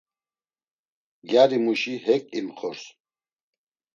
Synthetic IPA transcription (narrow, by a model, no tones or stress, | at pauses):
ɡjaɾimuʃiɦɛkʼimχɔɾs